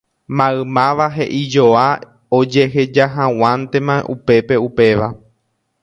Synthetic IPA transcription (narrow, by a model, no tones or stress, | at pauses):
mãɨmãʋaɦe̞ʔid͡ʒoa | od͡ʒe̞ɦe̞d͡ʒaɦãw̃ãnt̪e̞mã̰ʔupe̞pe̞upe̞ʋa